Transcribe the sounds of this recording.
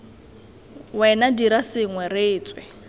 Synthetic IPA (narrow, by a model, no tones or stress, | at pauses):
wɛnadiɾasɪŋwɛrɪːt͡sʼwɪ